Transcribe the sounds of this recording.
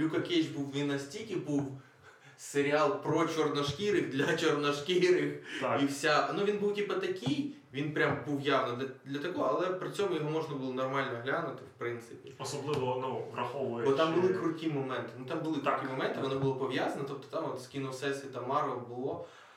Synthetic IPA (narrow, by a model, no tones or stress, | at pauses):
jʲukɐkʲet͡ʃbuwːʲinɐsʲtʲikʲɪbuw | seɾʲɪalˠpɾɔt͡ʃɔrnɐʂkʲiɾɪxd̪lʲɐt͡ʃɔrnɐʂkʲiɾɪxiwsʲanuʋʲinbuwtʲipɐt̪ɐkʲij | ʋʲinpɾʲambuwjaʋnɐd̪lʲɐt̪ɐkɔɐlˠɛpɾɪt͡sʲomʊjɔɦɔmɔʐnɐbulˠɔnɐrmɑlʲnɔɦlʲanʊt̪ɪfpɾɪnt̪sɪpʲɪɔsɔblˠɪʋɔnuvɾɐxɔʋɔbɔt̪ambʊlˠɪkɾʊtʲimɔmɛnt̪ɪnut̪ambʊlˠɪk̪ʊtʲimɔmɛnt̪ɪʋɔnɔbʊlˠɔpɔʋʲjazɐnɐt̪ɔp̚t̪ɔ̥t̪amɔt̪skʲinɔsɛsʲit̪ɐmɑɾʋɐbʊlˠɔ